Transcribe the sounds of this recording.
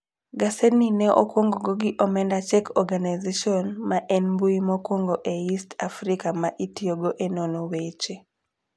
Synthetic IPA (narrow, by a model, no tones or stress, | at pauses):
ɡaseninɛʔo̰kwoŋɡoɡoɡiʔɔmɛndat͡ʃɛkʰɔɡanajzeʃiɔnmaʔɛnmbuimokwoŋɡoʔeistafɾikamaʔitioɡoʔenonowet͡ʃe